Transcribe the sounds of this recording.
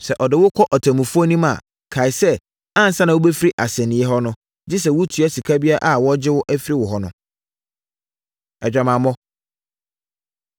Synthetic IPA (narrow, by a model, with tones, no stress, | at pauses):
sɛ˨ʔɔ˨dɪ˨wʊ˦kʰɔ˦ʔɔ˨tʰã˨mũ˨fu˦ɔ˦nĩ˦mã̰˨ | kʰa˨ɪ˨˦sɛ˦ | ã˦n̩˨sã˦nã˨wʊ˦be˦fi˦ɾi˦ʔa˨sɛ̃˨nɪ̃˨˦ɛ˦ɦɔ˦nʊ̃˦ | d͡ʑi˦s̬ɛ˨wʊ˦tʰu˨˦ɛ˦si˨kʰa˦bi˦a˦ʔa˦wɔ˦d͡ʑɪ˦wʊ˦ʔæ˦fi˦ɾi˦wʊ˨ɦɔ˦nʊ̃˦ | ɛ˨d͡ʑᶣa˨mã˨mɔ̃˦